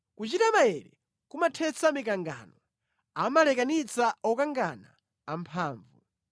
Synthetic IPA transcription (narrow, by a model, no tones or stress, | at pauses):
kut͡ʃitamajɛɾɛ | kumatʰɛt͡samikaŋɡa̰nɔ | amalɛkanit͡saɔkaŋɡanaː | mpʰaːɱvṵ